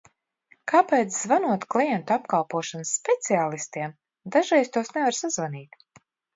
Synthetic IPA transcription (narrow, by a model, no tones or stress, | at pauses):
kaːpɛːt̪szvanuɔt̪klˠijɛnt̪apkalˠpuɔʃanɨsːpʲɛt̪siaːlˠist̪iɛm | d̪aʒɛjst̪uɔsnɛvaɾsazvaniːt̪